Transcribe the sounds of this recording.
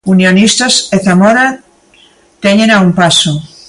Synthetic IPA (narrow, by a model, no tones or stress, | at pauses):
unjonist̪aseθamoɾa | t̪eɲenaumpaso